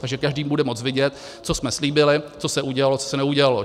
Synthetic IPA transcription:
t̪aɡʒɛkaʒdiːmbudɛmo̞t͡svɪɟɛt̪ | t͡so̞smɛsliːbɪlɪt͡so̞sɛʔuɟɛalo̞t͡sosɛnɛuɟɛalo̞

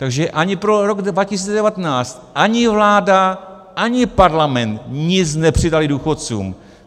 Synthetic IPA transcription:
t̪aɡʒɛʔaɲɪpɾoɾoɡdvacɪsiːt͡sɛdɛvat̪ɛnaːt͡st̪ʔaɲɪvlaːda | ʔaɲɪpaɾlamɛnt̪ɲɪt͡snɛpr̝̥ɪdalɪduːxot̪t͡sṵːm

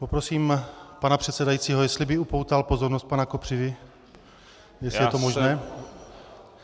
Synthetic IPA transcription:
po̞pɾo̞siːmpanapr̝̥ɛt̪sɛdajiːt͡siːɦojɛst̪lɪbɪupo̞wt̪alpo̞zoɾnost̪̚panakopr̥ɪvɪ | jɛslɪjɛt̪omoʒnɛː

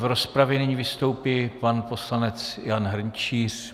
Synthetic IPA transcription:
vɾospɾavjɛnɪɲivɪst̪o̞wpiːpanpo̞slanɛt͡sjanɦr̩ɲt͡ʃiːr

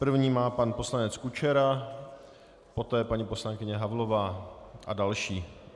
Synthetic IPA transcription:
pr̩vɲiːmaːpanpo̞slanɛt͡skut͡ʃɛɾa | po̞t̪ɛːpaɲipo̞slaŋkɪɲɛɦavlovaːʔadalʃiː

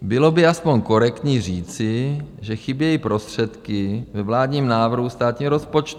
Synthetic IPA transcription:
bɪlo̞bɪaspoɲko̞ɾɛkt̪ɲiːriːt͡sɪʒɛxɪbjɛjipɾo̞st̪r̝̥ɛt̪kɪvɛvlaːd̪ɲiːmnaːvr̩ɦust̪aːt̪ɲiːɦɾo̞spo̞t͡ʃt̪u

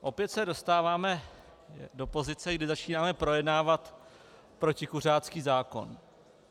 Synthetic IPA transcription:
ʔo̞pjɛt̪sɛdo̞st̪aːvaːmɛ | do̞po̞zɪt͡sɛɡdɪzat͡ʃiːnaːmɛpɾo̞jɛdnaːvat̪ | pɾo̞cɪkur̝aːt͡skiːzaːko̞̰n

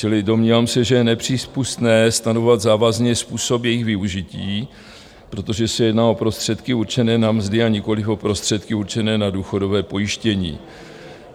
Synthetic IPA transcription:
t͡ʃɪlɪdo̞mɲiːvaːmsɛʒɛjɛnɛpr̝̥iːspust̪nɛːst̪anovovad̪zaːvazɲɛspuːso̞pjɛjɪxɣvɪuʒɪciː | pɾo̞t̪o̞ʒɛsɛjɛdnaːo̞pɾo̞st̪r̝̥ɛt̪kɪuɾt͡ʃɛnɛːnamzdɪaɲɪko̞lɪfo̞pɾo̞st̪r̝̥ɛt̪kɪuɾt͡ʃɛnɛːnaduːxo̞do̞vɛːpo̞jɪʃcɛɲḭː

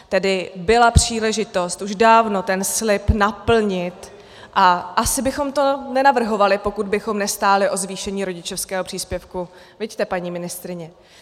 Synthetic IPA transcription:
t̪ɛdɪbɪlapr̝̥iːlɛʒɪt̪o̞st̪ʔuʒdaːvno̞t̪ɛnslɪpnapl̩ɲɪt̪ | ʔaʔasɪbɪxo̞mt̪o̞nɛnavr̩ɦo̞valɪpo̞kud̪̚bɪxo̞mnɛst̪aːlɪʔo̞zviːʃɛɲiːɾo̞ɟɪt͡ʃofskɛːɦopr̥iːspjɛfku | vɪɟt̪ɛpaɲiːmɪnɪst̪ɾɪɲɛ

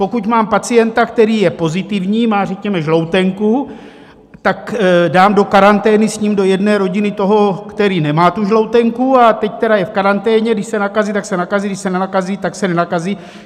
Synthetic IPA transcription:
po̞kucmaːmpat͡sijɛnt̪akt̪ɛɾiːjɛpo̞zɪt̪ɪvɲiːmaːrɛkɲɛmɛʒlo̞wt̪ɛŋku | t̪akdaːmdo̞kaɾant̪ɛːnɪsɲiːmdo̞jɛdnɛːɾo̞ɟɪnɪt̪o̞ɦo̞kt̪ɛɾiːnɛmaːt̪uʒlo̞wt̪ɛŋkuat̪ɛct̪ɛɾajɛfkaɾant̪ɛːɲɛɡdɪʃsɛnakaziːt̪aksɛnakazidɪʃsɛnɛnakaziːt̪aksɛnɛnakaziː

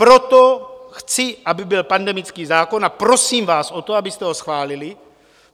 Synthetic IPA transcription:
pɾot̪oxt͡sɪʔabɪbɪlpandɛmɪt͡skiːzaːko̞napɾo̞siːmvaːsʔot̪oabɪst̪ɛɦosxvaːlɪlɪ

